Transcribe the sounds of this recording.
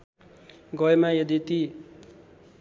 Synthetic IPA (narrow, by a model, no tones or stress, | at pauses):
ɡʌjmajed̪it̪i